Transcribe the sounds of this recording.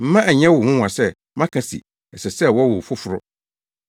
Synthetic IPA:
m̩˦mã˦ʔæ˨ɲɛ̃˦wʊ˨hʊ̃˦wʷã˨sɛ˦ | mã˦kʰa˨sḭ˨ | ɛ˨sɛ˨sɛ˦wɔ˦wʊ˨fʊ˦fʊ˨ɾʊ˦

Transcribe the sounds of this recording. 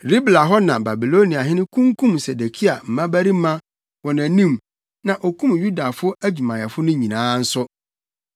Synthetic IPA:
ɾi˦bla˨ɦɔ˦nã˨ba˨bi˨lo˦nĩ˨a˨ɦɪ˦nɪ̃˦kʰũ˦ŋkʰũ˦mse˨de˨kʰi˦a˨m̩˨mã˦bæ˦ɾi˦mã˦ | wɔ˨næ̃˨nĩ˦˨m | nã˨ʔɔ˨kʰũ˦mju˦da˨fʊ˦æ˦d͡ʑᶣu˨mã˨jɛ˨fʊ˦nʊ̃˦ɲĩ˨nãː˨˦n̩˦sʊ˦

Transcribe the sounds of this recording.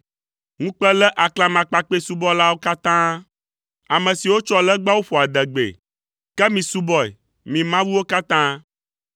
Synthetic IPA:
ŋũ˦k͡pɛ˦lɛ˦ʔa˨kla˨mã˨k͡pa˨k͡pe˦su˦bɔ˦la˦wo˦ka˦t̪ã˦ | a˨mɛ̃˨si˨wo˦t͡ʃɔ˦lɛ˦ɡ͡ba˦wo˦ɸɔ˨a˨d̪ɛ˨ɡ͡bḛ˨ | kɛ˦mĩ˨su˦bɔ˨ɛ̰˨ | mĩ˨mã˦wu˦wo˦ka˦t̪ã˦

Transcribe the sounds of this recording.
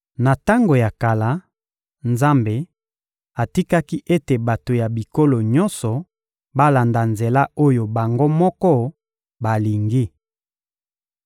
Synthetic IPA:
na˨ta˦ŋɡo˨ja˨ka˨la˨˦ | nza˦mbe˨ | a˨ti˦ka˦ki˦ʔe˦te˨ba˨to˨ja˨bi˨ko˦lo˨ɲɔ˦nsɔ˨ | ba˦la˨nda˨nze˨la˦o˦jo˨ba˨ŋɡo˦mɔ˦kɔ˦ | ba˨li˨ŋɡi˦

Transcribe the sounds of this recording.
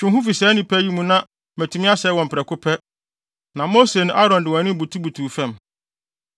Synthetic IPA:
t͡ɕʰᶣʊ̃˨ɦʊ̃˦fi˨sɛː˨˦nĩ˨pʰɛ˦ji˦mũ˨nã˦ | mæ˨tʰu˨˦mɪ̃˦a˦sɛ˨˦wɔ̃˨m̩˨pʰɪ˨ɾɛ˨kʰʊ˦pʰɛ˦ | nã˨mo˦se˨nʊ̃˦ʔa˦ɾɔ̃˨ndɪ˨wɔ̃˨nɪ̃˦bu˨tʰu˦bu˨tʰuː˨fɛ̃˦m

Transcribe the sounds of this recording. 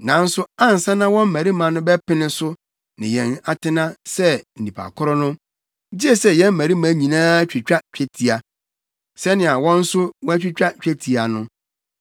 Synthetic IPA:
nã˨n̩˦sʊ˦a˦n̩˨sã˦nã˦wɔ̃˦m̩˦mæ˨ɾi˦mã˨nʊ̃˦bɛ˦pɪ˦nɪ̃˦sʊ˦ | nɪ̰̃˨jɛ̰̃˨na˨tʰɪ˦nã˦sɛ˦n̩˨nĩ˨pʰa̰˨kʰʊ˦ɾɔ˦nʊ̃˦ | d͡ʑɪ˦ɛ˦sɛ˦jɛ̃˦m̩˦mæ̃˨ɾi˦mã˦ɲĩ˨nãː˦t͡ɕᶣi˨t͡ɕᶣa˦t͡ɕᶣɛ˦tʰi˨a˨ | sɛ˦nɪ̃˨a˨wɔ̃˦n̩˦sʊ˦wɔ̃˦æ˦t͡ɕᶣi˦t͡ɕᶣa˦t͡ɕᶣɛ˦tʰi˨a˨nʊ̃˦

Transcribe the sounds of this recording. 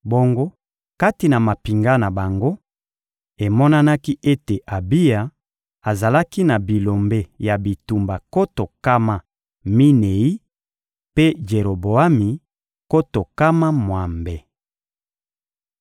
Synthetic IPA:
bo˦ŋɡo˦ | ka˦ti˨na˨ma˨pi˨ŋɡa˦na˨ba˨ŋɡo˦ | e˨mɔ˦na˦na˦ki˦ʔe˦te˨ʔa˨bi˦ja˨ | a˨za˨la˦ki˦na˨bi˨lo˨mbe˦ja˨bi˨tu˨mba˨ko˦to˨ka˦ma˨ | mi˦ne˨i˦ | pe˦d͡ʒe˨ɾo˨bo˨a˦mi˨ | ko˦to˨ka˦ma˦mwa˨mbe˨

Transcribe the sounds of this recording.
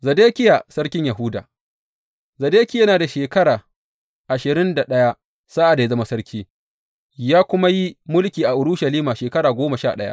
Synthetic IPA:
zɐ˨deː˦kʲɪ˦ja˨sɐ˦ɾkʲɪ˦ɲja˨ɦʊ˦da̰ː˨ | zɐ˨deː˦kʲɪ˦jɐ˦naː˨da˨ʃeː˨kɐ˦ɽaː˨ | ʔa˨ʃɪ˨ɾɪ˦nda˨ɗɐ˦ja˦ | sa˦ʔa˨da˨˦zɐ˦ma˦sɐ˦ɾkʲiː˦ | jaː˦kʷʊ˦ma˦ji˦mʊ˦lkʲiː˨ʔa˨ʔʊ˨ɽʊ˦ʃɐ˨liː˦maː˨ʃeː˨kɐ˦ɽaː˨ɡʷoː˦ma˨ʃa̰ː˦˨ɗɐ˦ja̰˦ʔ

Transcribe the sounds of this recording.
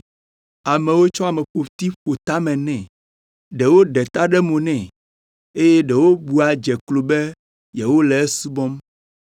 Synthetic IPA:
a˨mɛ̃˨wo˦t͡ʃɔ˦a˨mɛ̃˨ɸo˨ft̪i˦ɸo˨t̪a˦mɛ̃˨nɛ̃˨ | ɖɛ˨wo˦ɖɛ˨t̪a˦ɖɛ˦mõ˨nɛ̃˨ | e˦jɛ˦ɖɛ˨wo˦bu˨a˨d͡ʒɛ˨klo˨bɛ˦ | jɛ˨wo˦lɛ˨ɛ˦su˦bɔ˦m

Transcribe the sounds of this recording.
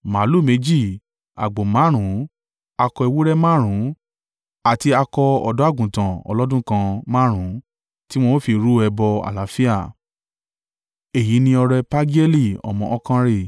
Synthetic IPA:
ma˨˦lu˦˨me˨˦d͡ʒi˦˨ | a̰˨ɡ͡bo˨mã˨˦ɾ̃ũ˨˦ | a˧kɔ˧i˧wo˦ɾɛ˦mã˦ɾ̃ũ˨˦ | a˨ti˧a˧kɔ˧ɔ̰˨dɔ˨˦a˦˨ɡũ˨tã˨ɔ̰˧lɔ˦dũ˦kã˧mã˦ɾ̃ũ˨˦ | ti˦w̃ɔ̃˦fi˧ɾu˦ɛ˧bɔ˧a̰˨la˨˦fi˦a˦˨ | e˨ji˨˦nĩ˧ɔ˧ɾɛ˧pã˦ɡi˦ɛ˦li˦˨ɔ̰˨mɔ̃˧˨ɔ˦kã˧ɾe˦˨

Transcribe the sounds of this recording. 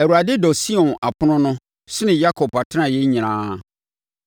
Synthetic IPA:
ɛ˨wu˨ɾa˨dɪ˦dɔ˨si˦ɔ̃˨na˨pʰʊ˦nʊ̃˦nʊ̃˦ | sɪ˦nɪ̃˨ja˦kʰɔ˨pa˨tʰã˨jɛ˦ɲĩ˨ñãː˦

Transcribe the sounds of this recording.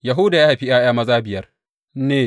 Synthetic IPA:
ja˨ɦʊ˦da˨jaː˦ha˨ɸi˦ʔaː˦ʔj̰aː˦mɐ˦zaː˦bɪ˨jɐ˦r | neː˦˨

